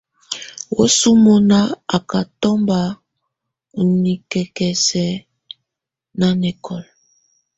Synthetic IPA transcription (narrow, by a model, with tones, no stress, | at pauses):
wo̰˦su˦mo˨na˦a˨ka˨tɔ˦mba˦˨ | u˨ni˨kɛ˨kɛ˨sɛ˨ | na˦nɛ˨kɔ˨l